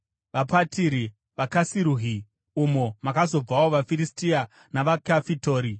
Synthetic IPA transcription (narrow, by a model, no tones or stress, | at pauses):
ʋapatiɾi | ʋakasiɾuːɦi | umomakazo̞b͡vawo̞ʋafiɾistia | naʋakafitoːɾi